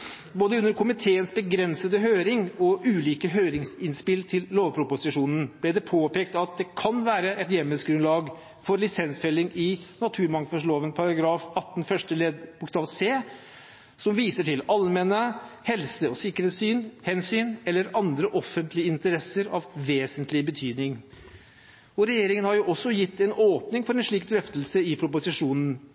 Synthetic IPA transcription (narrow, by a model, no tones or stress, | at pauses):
boːd̪əʉnːəɾkʰʊmɪt̪ʰeːənsbəɡɾɛnsəd̪əɦøːɾɪŋɔʔʉːliːkəɦøːɾɪŋsɪnspɪlt̪ʰɪlːoːʋpʰɾʊpʊsɪʂuːnən̩b̥lɪd̪ɛpʰoːpeːkt̪ɑt̪̚d̪ɛkʰɑnʋæːɾəɛt̪jɛmːəsɡɾʉnlɑːɡ | fɔɾlɪsɛnsfɛlːɪŋɪnɑt̪ʰʉːɾmɑŋfɑʂloːʋənpʰɑɾɑɡɾɑːfɑt̪ːn̩fœʂʈəleːd̪bʊkst̪ɑːʋseː | sɔmʋiːsəʈʰɪlɑlmɛnəhɛlsəɔsɪkːəɾheːt̪syːnhɛnsyːnɛlːəɾɑnd̪ɾəʔɔfːənt̪ʰlɪəɪnt̪əɾɛsəɾɑ̰ʋʋeːsənt̪lɪbət̪ʰyːd̪nɪŋ | ɔɾɛjeːɾɪŋənhɑɾjʊʔɔsːɔjɪt̪ʰːɛnoːpnɪŋfɔɾɛnʂɭiːk̚d̪ɾœft̪əlsəɪpʰɾʊpʊsɪʂuːnn̩